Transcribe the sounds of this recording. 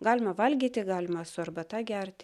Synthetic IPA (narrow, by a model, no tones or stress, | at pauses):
ɡɑːlʲɪmɐʋɐlʲɡʲiːt̪ʲɪɡɑːlʲɪmɐsʊɐrbɐt̪ɑːɡʲɛɾʲt̪ʲɪ